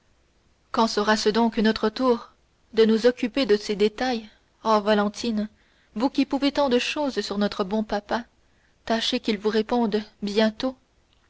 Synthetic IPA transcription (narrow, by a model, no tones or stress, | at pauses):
kɑ̃səʁasəd̪ɔ̃knɔt̪χət̪uːʁ | d̪ənuzɔkʲyped̪əsed̪et̪aj | ovalɑ̃t̪ʰin | vukʲipuvet̪ɑ̃d̪əʃoːzsyʁnɔt̪χəbɔ̃papa | t̪aʃekʲilvuʁepɔ̃d̪bjɛ̃t̪o